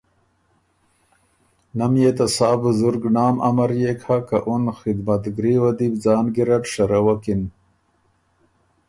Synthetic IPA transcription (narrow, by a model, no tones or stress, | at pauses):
nɐmjet̪ɐsaːbuzuɾɡnaːmɐ̰mɐɾjekʰakaʔunxid̪mɐt̪ɡɾiwɐd̪ibd͡zaːnɡiɾɐʈʂɐɾawɐkin